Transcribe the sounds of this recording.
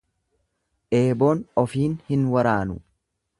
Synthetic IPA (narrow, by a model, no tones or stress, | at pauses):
ʔe̞ːbo̞ːnɔfiːnhɪnwɐɾaːnʊ